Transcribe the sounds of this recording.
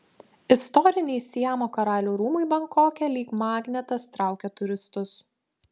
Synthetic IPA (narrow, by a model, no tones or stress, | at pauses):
ɪst̪ɔɾʲɪnʲɛɪsʲiɛmoːkɐɾɑːlʲuːɾuːmʊɪbɐŋkoːkʲɛlʲiːkmɑːɡʲnʲɛt̪ɐst̪ɾɑˑʊkʲɛt̪ʊɾʲɪst̪ʊs